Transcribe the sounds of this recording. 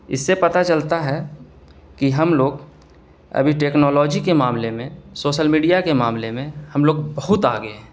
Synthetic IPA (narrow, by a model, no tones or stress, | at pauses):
ɪ̰sːepɐt̪at͡ʃəlt̪aɦɛ | kiɦɐmloːɡ | ɐ̰bʱiʈeːknɔːlɔːd͡ʒikemaːmlemẽsoːʃəlmiːɖijakemaːmlemẽhɐmloːɡbɐɦʊt̪a̰ːɡəeɛː